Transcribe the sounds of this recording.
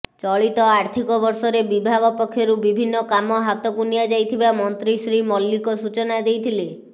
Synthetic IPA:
t͡ʃɔɭit̪ɔaɾt̪ʰikɔbɔɾsɔɾebibʱaɡɔpɔkʰːjɔɾubibʱinːɔkamɔɦat̪ɔkunijad͡ʒajt̪ʰibamɔnt̪ɾisɾimɔlːikɔsut͡ʃɔnad̪ejt̪ʰile

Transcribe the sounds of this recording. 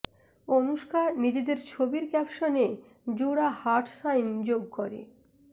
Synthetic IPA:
onuʃkaɾnid͡ʑed̪eɾt͡ɕʰobiɾkɛpʃone | d͡ʑuɽahaɾʈsajnd͡ʑoɡ̚koɾḛ

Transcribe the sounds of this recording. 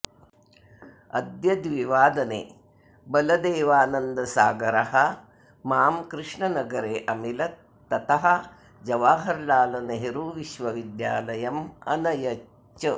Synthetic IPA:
ɐ̰d̪jɐd̪ʋiʋaːd̪ɐnḛː | bɐlɐd̪eːʋaːnɐnd̪ɐsaːɡɐɾɐɦɐ | maːmkɾɨʂɳɐnɐɡɐɾeːʔɐmilɐ | ɐt̪ɐɦɐ | d͡ʒɐʋaːɦɐɾlaːlɐnɐɦiɾuːʋiʃʋɐʋid̪jaːlɐjɐmɐ̰nɐjɐt͡ʃt͡ʃːɐ

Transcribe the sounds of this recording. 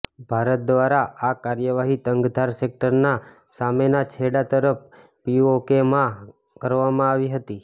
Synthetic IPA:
bʱaɾət̪̚d̪ʋaɾaʔakaɾjəʋaɦit̪əŋɡd̪ʱaɾsek̚ʈəɾna | samenat͡ʃʰeɽat̪əɾəp | piokemã | kəɾʋamãaʋiɦət̪i

